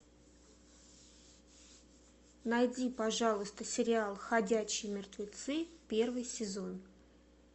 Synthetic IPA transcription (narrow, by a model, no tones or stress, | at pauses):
nɐjdʲipɐʐɑlˠəst̪əsʲɪɾʲɪalˠxɐdʲæɕːɪjmʲɪrt̪vʲɪt̪sɨpʲe̞rvɨjsʲɪzo̞n